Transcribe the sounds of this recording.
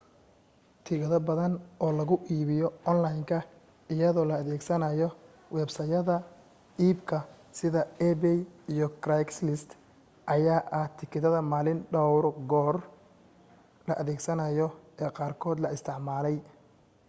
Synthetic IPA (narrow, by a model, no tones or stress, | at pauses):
t̪ʰiɣɐðɐbɐðɐnʔɔːlɐɣʊʔiːβɪjɔɔnlɐjŋkʰɐ | ɪjɐðɔːlɐːðɛːɡsɐnɐjɔ | wɛːbsɐjɐðɐ | iːbkʰɐ | sɪðɐɛbɛjijɔkrajkslɪst̪ | ʔɐjaːʔɐht̪ʰɪkʰɪðɐðɐmaːlɪnɖɔwrɡɔːr | lɐʔɐðɛːɡsɐnɐjɔɛːqɑːrkʰɔːd̪lɐɪst̪ʰɪʕmaːlɛj